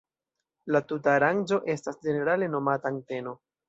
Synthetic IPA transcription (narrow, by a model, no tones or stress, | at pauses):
latutaːɾand͡ʒo̞ʔe̞stasd͡ʒe̞ne̞ɾale̞no̞mataŋte̞no̞